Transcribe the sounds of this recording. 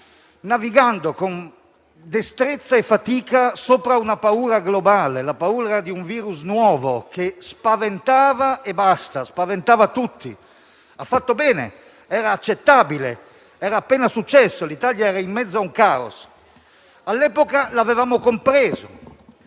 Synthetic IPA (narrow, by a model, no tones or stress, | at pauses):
naviɡand̪okon | d̪est̪ɾet̪sːaefat̪iːkasoːpɾaunapauːɾaɡlobaːlelapauːɾad̪iuɱviːɾusnwɔːvokespavent̪aːvaebast̪aspavent̪aːvat̪ut̪ːḭ | afːat̪ːobɛːnḛ | ɛːɾaːt͡ʃːet̪ːaːbilḛ | ɛːɾaːpːɛːnasut͡ʃːɛsːolit̪aljaɛːɾaimːɛtd̪zːauŋkaːo̰s | alːɛːpokalavevaːmokompɾeːzo̰